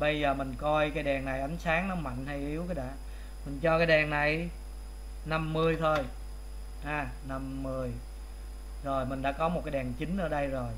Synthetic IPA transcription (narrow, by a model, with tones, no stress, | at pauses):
ɓə˧jzəː˨˩mï˨˩ŋ̟kɔ˧jkaː˨˦jɗɛ˨˩ŋna˨˩jʔə˨˦nsaː˨˦ŋnɔ˨˦ma̰˧˨nha˧jʔi˨˦əwkəː˨˦jɗa̰ː˧˥ | mï˨˩ŋ̟t͡ɕɔ˧kaː˨˦jɗɛ˨˩ŋna˨˩j | na˧mːɨ˧əjt̪ʰo˧j | ʔaː˧˩ | na˧mːɨ˧əj | zo˨˩jmï˨˩ŋ̟ɗa̰ː˧˥kɔ˨˦mo˨˩t̚kaː˨˦jɗɛ˨˩ŋt͡ɕï˨˦ŋ̟ʔəː˧˩ɗə˧jzo˨˩j